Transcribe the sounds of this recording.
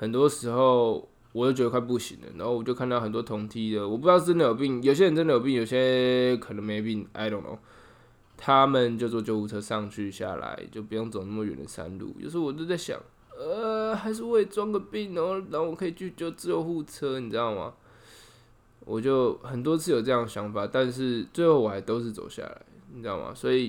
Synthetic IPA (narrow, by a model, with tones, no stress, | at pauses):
hə˨˩nt̪wɔ˦˥ʂɻ̩˧˥xo˥˨ʊ | wɔ˨˩t͡ɕo˥˩t͡ɕɥ̪kʰwa˥˧p̬u˥˩ɕḭ˨˦ŋd̪ə̰˩nã̰˨˦ho˥˩wɔ˨˩t͡ɕjo˥˧kʰa˥˧nt̪ɑ˥˩ʊxə˨˩nt̪wɔ˥t̪ʰo˧˥ŋt̪ʰi˥d̪ə˨wɔ˨˩pu˥˧jɑ˥ʊʂʈ͡ʂə˥˦nd̪ə˨jo˨˩ʊpi˥˩ŋjo˨˩ʊɕ̬jə˧˦nʈ͡ʂə˥nd̪ə˨jo˨˩ʊp̬i˥˩ŋjo˨˩ʊɕ̬jɛ˦˥kʰə˨˩nə˧˦ŋme˧˥ɪo˨˩pi˥˩ŋʔa̰˧˥ɪt̪o˨˩ŋo̰˨˩˦ | t̪ʰa˦mə˨nt͡ɕjo˥˧ʊt͡swɔ˥˧t͡ɕjo˥˧ʊxu˥˩t͡sʰɤ˦ʂɑ˥˧ŋt͡ɕʰy˥˧ɕja̰˥˩la̰˧˦ɪt͡ɕjo˥˩ʊpu˧jo˥˩ŋt͡so˨˩ʊnə˥˩mə˨ɥɛ̰˨˩nd̪ə̰˨˩sa̰˦˥nlṵ˥˧jo̰˥˧˥ʂɻ̩˥˩wɔ˨˩t͡ɕ̬jo˥˧t͡sa˥˩ɪɕjɑ̰˨˦ŋ | ə˩xa˧˥ɪʂ̬ɻ̩˥˧we˥˩ɪt͡swɑ˥ŋɡə˨pi˥˩ŋnɔ˨˦na˥˩˨wɔ˨˩kʰɤ˧˥i˨˩t͡ɕʰy˥˧t͡ɕjo˥˧ʊt͡ɕjo˥˧ʊxu˥˩t͡sʰə˦ni˨˩t͡s̩˧˥t̪ɑ˥˩ŋma̰˩ | wʔɔ˨˩t͡ɕjo˥˩ʊxə˨˩nt̪wɔ˥t͡sʰɹ̩˥˩jo˨˩ʊʈ͡ʂɤ˥˧jɑ˥˩ŋə˩ɕjɑ˧˥ŋfa˨˩t̪a˥˧nʂ̬ɻ̩˥˧t͡swe˥˧ɪho˥˩ʊwɔ˨˩a˧˥ɪt̪o˥ʊʂ̬̩˥˩t͡so̰˨˩ʊɕja̰˥˩la̰˨˧˦ɪni˨˩ɻ̩˦t̪ɑ˥˩ŋma̰˨˩swɔ˧˥i˨˩